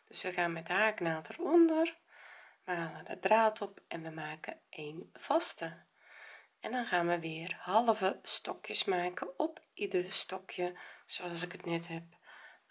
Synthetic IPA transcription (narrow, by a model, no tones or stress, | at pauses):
d̥øsʋəxaːnmɛtaːknaːtʰərɔndər | ʋəhaːlədədraːtʰɔpɛnʋəmaːkəʔeːnfɑstə | ɛndɔnxaːnʋəʋɪːərhɑlˠəvəstɔkjəsmaːkəɔpidərstɔkʰjəsoɑlˠs̬ɪkətnɛthɛp̚